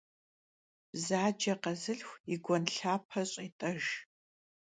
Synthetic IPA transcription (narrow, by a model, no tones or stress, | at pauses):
b̥zaːd͡ʒɐqɐzɨɬxʷiɡʷɔnɬaːpʰɐɕʼiːtʼɐʒ